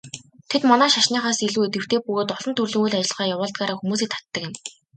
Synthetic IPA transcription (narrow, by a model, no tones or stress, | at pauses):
t̪ʰet̪mɔnæːʃaʃniːχaːsiɮuːet̪ɡɘ̆w̥t̪ʰeːpɵɣoːt̪ɔɮɞ̆nt̪ʰɵrɮɵ̆ŋuɮat͡ɕɪ̆ɮʁaːjawʊːɮt̪ɡaːɾaːxumuːs̬iːkt̪ʰḁt̪ːə̆kɪ̆m